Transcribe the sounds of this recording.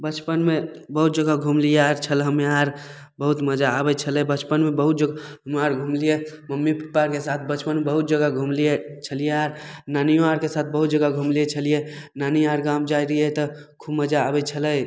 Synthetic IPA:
bət͡ʃpənmebəɦut̪̚d͡ʒəɡaɡʱumlijeaɾt͡ʃʰəlɦəmaɾ | bəɦut̪məd͡ʒaːbɛt͡ʃʰəlɛbət͡ʃpənmebəɦut̪̚d͡ʒəɡaɦəmaɾɡʱumlijeməmːipipaɾkesat̪ʰbət͡ʃpənmebəɦut̪̚d͡ʒəɡaɡʱumlijet͡ʃʰəlijeaɾnanijoaɾkesat̪̚ʰbəɦut̪̚d͡ʒəɡaɡʱumliet͡ʃʰəlijenaniaɾɡãmd͡ʒaiɾəjet̪əkʰubməd͡ʒaːbɛt͡ʃʰələj

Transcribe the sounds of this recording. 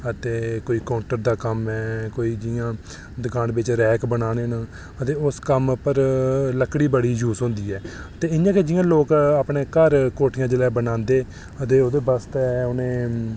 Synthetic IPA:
ət̪eːkoːiːkaːʊɳʈəɾd̪aːkəmɛːkoːiːd͡ʒɪjãː | d̪əkaːnbɪt͡ʃɾɛːkbənaːneːna | ət̪eːʊskəmpəɾləkːɽiːbəɽiːd͡ʒuːsɦõːnd̪iːɛːt̪eːɪnd͡ʒãːked͡ʒɪjãːloːkaːpɳeːkəɾkoːʈʰɪjãːd͡ʒəlɛːbənãːnd̪eː | ət̪eːoːd̪eːbəst̪ɛːʊnẽː

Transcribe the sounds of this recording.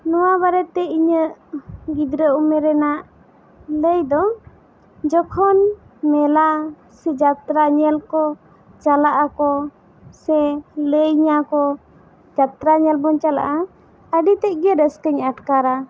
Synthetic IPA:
nɔwabaɾɛt̪ɛiɲəʔɡid̪ɾəumɛɾɛnaʔ | ləjd̪ɔ | d͡ʒɔkʰɔnmɛla | sɛd͡ʒat̪ɾaɲɛlkɔ | t͡ʃalaʔakɔ | sɛləjɲakɔ | d͡ʒat̪ɾaɲɛlbɔnt͡ʃala̰ʔa | əɖit̪ɛʔɡəɾəskəɲaʈkaɾa

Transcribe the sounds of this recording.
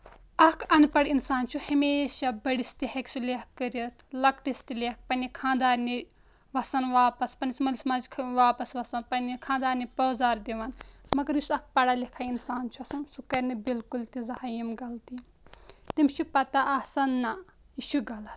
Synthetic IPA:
ɐkʰɐnpɐɽinsaːnt͡ʃʰuhɐmeːʃabɐɽist̪ihɐkt͡ʃʰuleɐkːəɾiɐt̪lɐkʈist̪ileɐk̚pɐnʲikʰãːnd̪aːɾni | ʋɐsɐnʋaːpɐspɐnismɐlismɐzkʰʋaːpɐsʋɐsɐnpɐnikʰãːnd̪aːɾnibɐːzaːɾd̪iʋɐnmɐɡɐɾjusɐk̚pɐɽalʲikʰainsaːnt͡ʃʰuɐsɐnsukɐɾʲnɐbilkult̪izɐhajimɡɐlt̪i | t̪imt͡ʃʰipɐt̪aʔɐsɐnːa | iʃuɡɐlɐt̪

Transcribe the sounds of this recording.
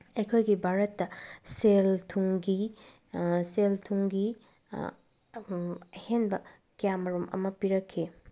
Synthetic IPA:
ɐjkʰojɡibʱaɾɐtːɐseltʰuŋɡi | seltʰuŋɡi | ɐhenbɐ | kijamɐɾumɐ̰mɐpiɾɐkʰːi

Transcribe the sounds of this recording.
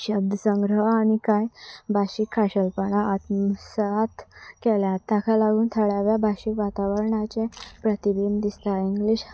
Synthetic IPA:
ɕəb̚d̪ʱəsə̃ŋɡɾəʋːɽ̃ikajbʱaɕikʰːaɕəlpəɳ̃aːt̪msat̪kɛljat̪ːakʰalaɡuːnt̪ʰəɽaʋjabʱaɕikʋat̪aʋəɾɳat͡ɕepɾət̪ibind̪ist̪aiŋɡliɕ

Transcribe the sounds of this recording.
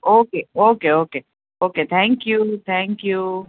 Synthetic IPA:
ʔokeokeoke | oket̪ʰæ̃ŋkjut̪ʰæ̃ŋkju

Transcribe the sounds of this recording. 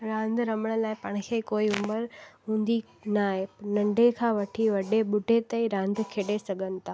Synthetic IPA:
ɾãːnd̪ɾɐməɽ̃əlaːɪpɐɽ̃ɪ̆kʰeːkoːiʊməɾɦũːnd̪i | naːɦenɐ̃ɳɖʱekʰãːʋɐʈʰiʋɐɖʱeɓʊɖʱet̪ɐĩɾãːnd̪ʱkʰeːɗesɐɡʱənɪ̆t̪ʰaː

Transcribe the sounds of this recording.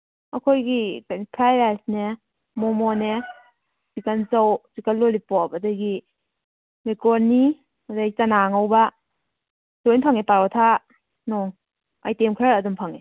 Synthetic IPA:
ɐkʰojɡikajnpʰɾajɾajsne | mɔmɔne | sikanzawzikanlolipɔpɐdajɡi | mekɔɾni | ɐdaɡit͡ʃanaŋawba | zojnpʰaŋepaɾɔtʰa | nɔŋ | a̰jtemkʰɾaɾɐdumpʰaŋe

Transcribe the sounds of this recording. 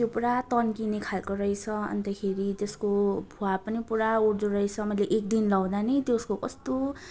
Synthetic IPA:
tjopuɾat̪ʌnkinekʰalkoɾʌjt͡sʰʌʌ̰nt̪akʰeɾit̪eskobʱuapʌnipuɾauɽd͡zoɾʌjt͡sʰʌmʌjleʔek̚d̪inlʌw̃d̪anʌjt̪joskokʌst̪o

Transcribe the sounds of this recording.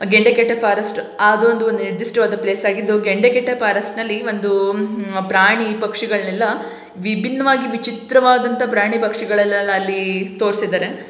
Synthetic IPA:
ɡeɳɖekeʈːɐpʰaːɾɐsʈ | aːd̪uond̪uond̪ueɾd̪isʈʋaːd̪ɐpleːsaːɡid̪ːuɡeɳɖekeʈːɐpʰaːɾɐsʈnɐlːiʋo̞nd̪upɾaːɳipɐkʂiɡɐɭnɛlːɐ | ʋibʱinːɐʋaːɡiʋit͡ʃit̪ɾɐʋaːd̪ɐnt̪ɐpɾaːɳ̃ipɐkʂiɡɐɭɐlːɐɐːlːit̪o̞ːɾsid̪aːɾe

